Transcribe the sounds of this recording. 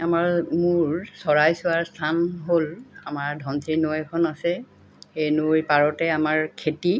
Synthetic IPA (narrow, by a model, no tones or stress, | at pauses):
amaɹmuɹsɔɹajsʊaɹstʰanɦolamaɹdʱɔntʰiɹnojɛkʰɔnasɛ | xenojpaɹɔtɛamaɹkʰeti